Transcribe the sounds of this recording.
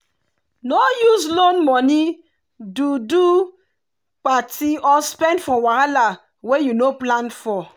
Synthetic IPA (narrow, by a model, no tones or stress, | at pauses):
nɔjuzlonmɔni | dudu | patiɔspɛ̃ndfɔwaɾala | wejunoplãnfɔ